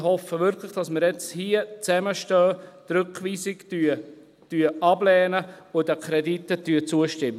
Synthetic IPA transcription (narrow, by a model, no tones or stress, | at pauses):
hɔfəʋʏɾklɪχd̥ɑsməɾjɛt͡shiət͡sɛməʃtœːt̪rʏkʋiːsɪkty | tyəʔɑblɛːnəʊdəkʰɾɛditːətyːət͡suəʃtɪmːə